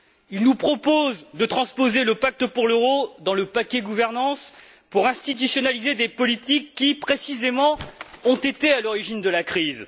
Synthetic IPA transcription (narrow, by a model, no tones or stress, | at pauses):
ilnupχɔpozd̪ət̪χɑ̃spozeləpak̚t̪əpuʁløʁod̪ɑ̃ləpakʲɛɡuvɛʁnɑ̃s | puʁɛ̃st̪it̪ysjɔnalized̪epɔlit̪ikːipχesizemɑ̃ɔ̃t̪et̪ealɔʁiʒind̪əlakχiz